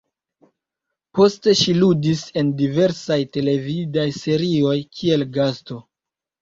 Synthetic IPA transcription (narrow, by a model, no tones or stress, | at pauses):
po̞ste̞ʃiludise̞ndive̞ɾsajte̞le̞vidajse̞ɾio̞jkʰie̞lɡasto̞